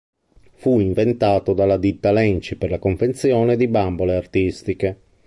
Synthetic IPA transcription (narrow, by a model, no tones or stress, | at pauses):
fuiɱvent̪aːt̪od̪alːad̪it̪ːalɛnt͡ʃiperlakoɱvent̪sjɔːned̪ibamboleart̪ist̪ike